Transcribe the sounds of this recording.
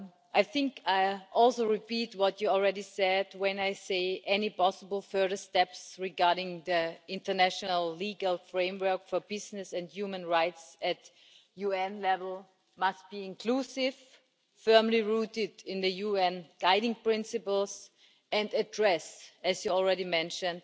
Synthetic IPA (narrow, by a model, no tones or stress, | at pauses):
ʔaɪθɪ̃ŋkaɪʔɔlˠsoʊɹɪpitwʌtjuɔl̩ˠɹɛɾisɛdwɛ̃naɪseɪʔɛnipɔsəbl̩ˠfɜ˞ðə˞stɛpsɹɪɡaɹɾɪ̃ŋðiɪ̃ntə˞næʃənəlˠliɡəlˠfɹẽɪ̃mwɜ˞kfɔ˞bɪznɨsɨ̃ndjumə̃nɹaɪtsɨt | juɛ̃nlɛvəl̩ˠ | mast̚b̥iːɪ̃nkʰl̥usɪv̥ | fɜ˞mliɹutɪdɪ̃nðɨjuɛ̃nɡ̥aɪɾɪ̃ŋpɹ̥ɪ̃nsɨpl̩ˠs | ɨ̃ndɨdɹɛsɨzjuɔl̩ˠɹɛɾimɛ̃nʃɨ̃nd̥